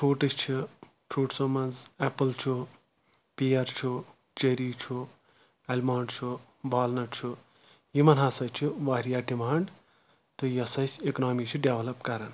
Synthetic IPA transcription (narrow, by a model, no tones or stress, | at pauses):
ʈʰoːʈist͡ʃʰi | ʈʰuːʈsomɐnd͡zepɐlt͡ʃʰu | piɐɾt͡ʃʰu | t͡ʃeɾit͡ʃʰu | elmaːɳɖt͡ʃʰu | baːlnɐʈt͡ʃʰu | jimɐnɦaːsɐt͡ʃʰuʋaːɾijaːɖimaːɳɖ | t̪ɨjɐsɐsʲeknaːmit͡ʃʰuɖeʋlɐpkɐɾɐn